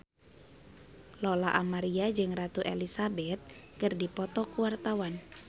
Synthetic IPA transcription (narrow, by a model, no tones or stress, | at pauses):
lɔlaʔamaɾiad͡ʒɨŋrat̪uʔḛlisabɛt̪̚kɨrdipɔt̪ɔkuwart̪awan